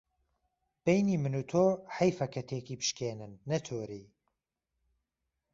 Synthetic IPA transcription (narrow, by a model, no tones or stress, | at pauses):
b̥ejniːmɨnuːt̪ʰoːħɐjfɐkʰɐt̪ʰeːkiːpɨ̥ʃkeːnɨnːɐt̪ʰoːɾiː